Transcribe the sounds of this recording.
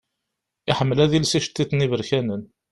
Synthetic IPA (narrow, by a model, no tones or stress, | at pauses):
ɪħəmːəlæðilsiʃt̪ːiθnivəɾçænən